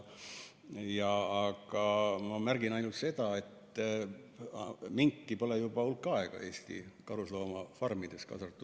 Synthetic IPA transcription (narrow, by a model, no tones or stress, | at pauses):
jɑːɡ̥ɑmɑmærɡ̥inɑjnult̪se̞d̪̥ɑe̞t̪ːˑ | miŋkːipo̞lejub̥ɑulkːɑeɡ̥ɑ̰e̞ːst̪ḭkɑɾuslo̞ːmɑfɑrmid̪̥e̞skɑ̰sɑrt̪ːˑu